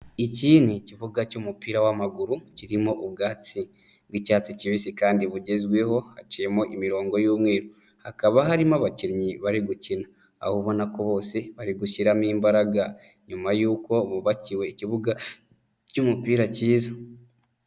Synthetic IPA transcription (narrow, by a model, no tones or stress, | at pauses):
iciːniciβuɡacumupiːɾawamaɡuɾuciɾimoʔuɡaːt͡siβwicaːt͡siciβisikaːndiβuɟe̞zwe̞ho̞hat͡ʃijemoʔimiɾo̞ːŋɡo̞juːmŋe̞ːɾo | hakaβaɦaɾimaβaciɾɲiβaɾiɡucina | a̰hoβo̞nako̞βo̞ːseβaɾiɡuʃiɾamiːmbaɾaɡa | ɲumajuːko̞βuβaciwe̞iciβuɡa | cuːmupiːɾaciːza